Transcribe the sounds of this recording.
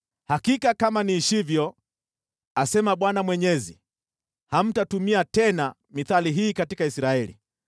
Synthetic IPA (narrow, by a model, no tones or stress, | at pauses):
hakikakamaniʃivjɔ | asɛmaɓwanamwɛɲɛzḭ | ham̩tatumiatɛna | miθaliɦiːkatikaisɾaɛlḭ